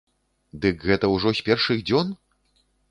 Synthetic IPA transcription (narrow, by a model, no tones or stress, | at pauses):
d̪ɨkɣɛt̪ɐwʐɔsʲpʲɛrʂɨɣd͡zʲɔn